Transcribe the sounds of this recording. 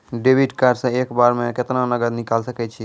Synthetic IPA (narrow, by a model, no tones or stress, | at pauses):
ɖebiɖkaɾsə̃ekbaɾmẽkɪt̪nanəɡəɾnikalsəkɛt͡ʃʰi